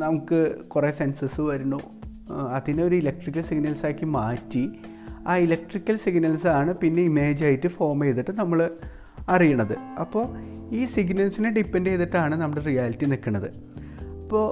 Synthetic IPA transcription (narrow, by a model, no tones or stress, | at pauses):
nɐmukːɨkuresensɐsɨʋɐɾunːu | ɐðineo̞ɾuilɐk̚ʈrik̬ʲːɐlsiɡnɐlsaːkːimaːtːi | aːilɐk̚ʈrikʲːɐlsiɡnɐlsaːɳɨpinːe̞ime̞ːd͡ʑaːjitːɨfo̞ːrmejðiʈːɨnɐmːɐɭ | ɐrijuɳːɐðɨɐpːo̞ː | iːsiɡnɐlsineɖipːendejðiʈːaːɳɨnɐmːɐɽerijaːlitːinikːɐɳːɐðɨɐpːo̞ː